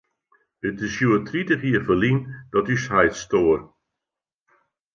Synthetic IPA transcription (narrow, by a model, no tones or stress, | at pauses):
ətɪsjuətritəχiəfəlind̥ɔtysɦajtstoər